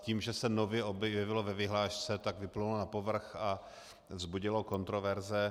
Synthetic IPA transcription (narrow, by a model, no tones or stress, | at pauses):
ciːmʒɛsɛnovjɛʔobjɛvɪlovɛvɪɦlaːʃt͡sɛt̪aɡvɪplulonapovr̩xa | vzbuɟɪloko̞nt̪ɾovɛɾzɛ